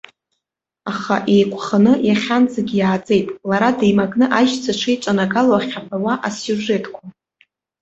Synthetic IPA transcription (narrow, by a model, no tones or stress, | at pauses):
aχa̰ʔe̞jkʷʰʼχanɨjaχʲand͡zaɡʲijaːd͡zʼe̞jtʼlaɾadejmaɡnɨʔajʃt͡sʰaʈ͡ʂʷʰijʈ͡ʂʷʼanaɡaloaχʲapʰawaʔasjuʐe̞tʰkʷʰa